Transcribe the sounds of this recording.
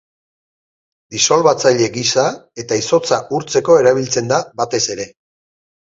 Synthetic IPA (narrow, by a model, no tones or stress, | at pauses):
d̪iso̞lβat͡saʎe̞ɡisae̞t̪aiso̞t͡saʔuɾt͡se̞ko̞e̞ɾaβ̞ilt͡se̞nd̪abat̪e̞se̞ɾe̞